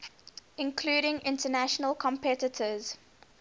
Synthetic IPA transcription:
ɪ̃nkʰluːɾɪ̃ŋɪ̃ntənæʃənəlˠkʰə̃mpʰɛtɪtʰəz̥

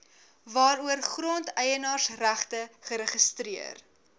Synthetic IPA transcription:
vɑːɾuərχrɔntɛjənɑːrsræχtəχəɾəχəstɾiər

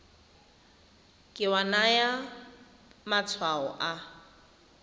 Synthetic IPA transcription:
kʼɪwanaja | mat͡sʰwaɔ̰ʔa

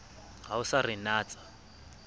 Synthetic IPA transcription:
ɦaʊsarinaːt͡sʼḁ

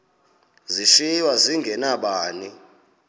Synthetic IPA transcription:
ziʃiwaziŋɡʱɛnaɓaːni

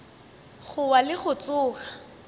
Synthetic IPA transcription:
χʊwalɪχʊt͡sʊːχa

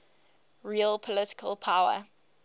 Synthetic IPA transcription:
ɹiəlˠpʰɔlɪtɪ̥kʰəlˠpʰaʊə̰

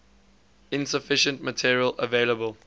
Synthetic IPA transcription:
ɪ̃nsəfɪʃə̃ntmətʰiɹiələ̰veːləbəl

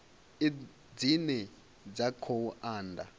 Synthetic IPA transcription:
e | d͡zinɛ | d͡zakʰoaːndʱa̰

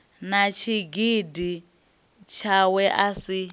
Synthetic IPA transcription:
nat͡ʃʰiɡidi | t͡ʃʰawɛʔasi

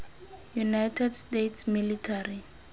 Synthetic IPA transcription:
junajtʰɛdstetʰsmilitʰari

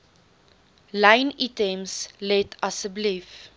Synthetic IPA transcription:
lãɪnitɛmslɛtʰasəblif

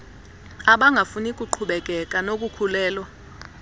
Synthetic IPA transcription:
aɓaŋɡʱafunikʼuǃʰuɓɛk̬ʼɛkʼanok̬ʼukʰulɛːlwɔ

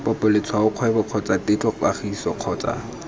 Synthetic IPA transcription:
pɔpʼʊlet͡sʰwaʊq͡χʰwɛbɔq͡χʰɔt͡sʼatʼet͡ɬʼɔkaχisɔq͡χʰɔːt͡sʼa̰

